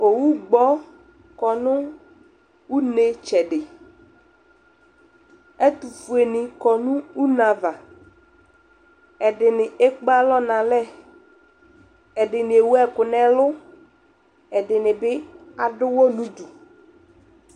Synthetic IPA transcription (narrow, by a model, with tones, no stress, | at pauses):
o˨wu˦ɡ͡bɔ˦ | kɔ˨nʊ̃˦ | wu˦ne˨t͡ʃɛ˨ɖɪ˨ | e˦t̪u˨fu˨e˨nɪ̃˨kɔ˨nũ˦u˦nã˨va˨ | ɛ˨ɖɪ˨nɪ̃˨e˦k͡pa˦lɔ˦nã˨lɛ˦ | ɛ˨ɖɪ˨nɪ̃˨e˨wu˦ɛ˨kʊ˨nɛ̃˨lʊ˦ | ɛ˨ɖɪ˨nɪ̃˨bɪ˦a˨ɖʊ˦wo˦nũ˦du˨